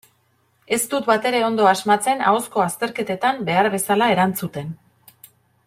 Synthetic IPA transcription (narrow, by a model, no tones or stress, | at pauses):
e̞st̪ut̪bat̪e̞ɾe̞o̞nd̪o̞azmat͡se̞na̰osko̞ast̪e̞ɾke̞t̪e̞t̪ambe̞aɾβe̞salae̞ɾant͡sut̪e̞n